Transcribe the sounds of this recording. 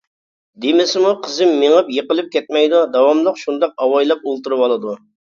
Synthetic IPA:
d̪emɪsɪmuqʰəzɪmːeŋəpjəqəlˠɨp̚kʲʰɛt̪̚mɛjd̪ud̪ɑwɑmlˠəqʃund̪ɑqɑwɑjlˠɑp̚olˠt̪uɾɨwɑlˠɨd̪u

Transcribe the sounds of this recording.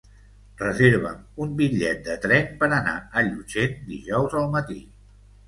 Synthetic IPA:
rəzeɾβ̞ə̰mumbiʎɛt̪̚d̪ət̪ɾɛnpəɾəna̰əʎud͡ʒend̪iʒɔwzəlˠmət̪i

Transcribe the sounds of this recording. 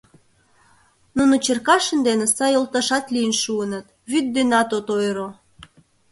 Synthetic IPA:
nunot͡ɕerkɑʃə̆nd̪enesɑjolt̪ɑʃɑt̪liənʃuənət̪ | βyd̪̚ːenɑt̪ot̪ojɾo

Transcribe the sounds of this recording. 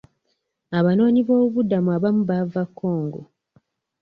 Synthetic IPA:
aβano̞ːɲiβo̞ːβuβudamuaβamuβavakʰːo̞ːŋɡo̰

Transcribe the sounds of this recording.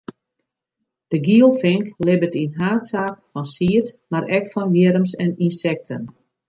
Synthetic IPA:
d̥əɡiəlˠfɪŋklɪbətinɦaːtsaːkfɔnsiətmaɾɛkfɔnʋjɪɾəmsɛninsɛk̚tʰən

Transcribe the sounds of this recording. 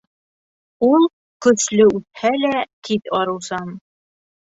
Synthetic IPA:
ulˠ | kɵ̆slɘʉt̪̚hælækit̪ɒɾɤ̆wsɑm

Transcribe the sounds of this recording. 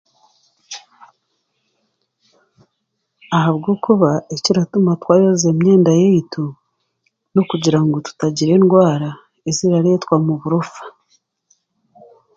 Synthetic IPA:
aɦaβɡoːkuβaeciɾatumatwaːjoze̞mɲe̞ːndajejito | no̞kuɟiɾaŋɡo̞tu̥taɟiɾe̞ːnɡwaːɾa | eziɾaɾe̞ːtwamuβuɾofḁ

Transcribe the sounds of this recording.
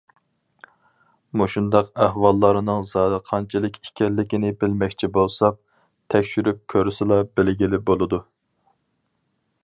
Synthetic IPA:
muʃund̪ɑqæhwɑlˠːɑɾɨnɨŋzɑːd̪ɨqʰɑnt͡ʃʰilˠɨkʲʰikʲʰɛlːɪkʲinɪbɪlmɛkʲt͡ʃʰibolˠsɑp̚ | t̪ʰɛkʲʃyɾyp̚kʲʰøɾysɪlˠɑbɪlɡʲilɪbolˠɨd̪u

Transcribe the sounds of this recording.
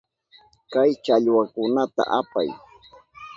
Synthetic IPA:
kajt͡ʃaʎwakʊnat̪a̰ʔapa̰j

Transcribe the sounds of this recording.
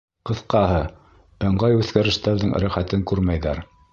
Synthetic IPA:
qɤ̆θqɑɦɤ | ŏɴʁɑjʉθkæɾɘ̆ʃt̪æɾðɘŋɾæχæt̪ɘŋkʉɾmæjðæɾ

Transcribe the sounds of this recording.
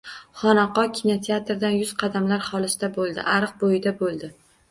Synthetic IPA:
χɒnaqɒkʲʰɪnot̪ʰeat̪ɾd̪anjʊz̥qʰɑd̪amlaɾχɒlɪsd̪̥abolˠd̪ɪ̰ʔaɾɨq̚bojɪd̪abolˠd̪ɪ

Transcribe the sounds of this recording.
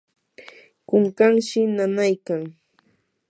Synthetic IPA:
kʊŋkaŋʃɪnanajkaŋ

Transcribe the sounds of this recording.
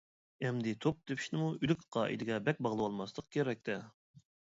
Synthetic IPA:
ɛmd̪ɪt̪ʰop̚d̪̥epʰi̥ʃnɪmuylykʲqʰɑːʔḭd̪ɪɡʲɛbɛkʲbɑʁlˠɨwɑlˠmɑslˠəq̚kʲʰeɾɛk̚ʲt̪ʰɛ

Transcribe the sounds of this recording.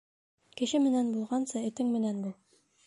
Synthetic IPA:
kɘ̆ʃɘmɘ̆nænbulˠʁɑnsɤɘ̆t̪ɘŋmɘ̆nænbulˠ

